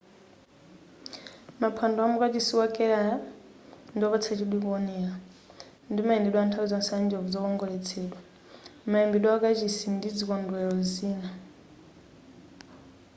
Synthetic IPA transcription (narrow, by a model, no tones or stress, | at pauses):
mapʰandɔamukat͡ʃisiwakʼɛɺaja | ndiɔβɔt͡sʰat͡ʃiɗwiβɔnɛa | ndimaɛndɛɗwantʰaud͡zɔnsɛand͡ʒɛlvud͡zɔkɔŋɡɔlɛt͡sʰɛɗwa | maɛmbiɗwaakat͡ʃisindid͡zikɔndwɛɔziːna